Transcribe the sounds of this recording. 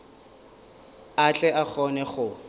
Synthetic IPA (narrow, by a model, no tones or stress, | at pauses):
at͡ɬʼɛak͡xɔnɛχʊ